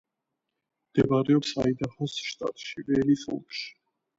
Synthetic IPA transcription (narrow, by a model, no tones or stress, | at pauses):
md̪̥ɛvaɾɛɔpsa̰id̪ahɔsʃt̪ʼa̰t̪ʼʃivɛlisɔ̰lˠkʼʃi̥